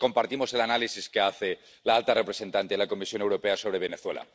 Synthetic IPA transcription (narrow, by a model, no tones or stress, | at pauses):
ko̞mpaɾt̪imo̞se̞lanalisiskeaθe̞ | laalt̪arepɾe̞se̞nt̪ant̪elako̞misjo̞ne̞wɾo̞peaso̞β̞ɾe̞β̞e̞neθwe̞la̰